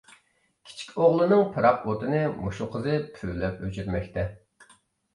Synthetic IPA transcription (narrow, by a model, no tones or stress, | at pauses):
kʲʰi̥t͡ʃʰi̥kʲoʁlˠɨnɨŋpʰɨɾɑqot̪ʰɨnɨmuʃuqʰəzɨpʰyːlɛpøt͡ʃʰyɾmɛkʲt̪ʰɛ